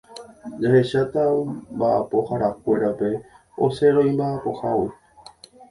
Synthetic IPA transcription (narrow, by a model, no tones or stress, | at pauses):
d͡ʒahe̞ʃat̪ambaʔapo̞haɾakʷe̞ɾape̞ | o̞̰se̞ɾõĩmbaʔapo̞hawi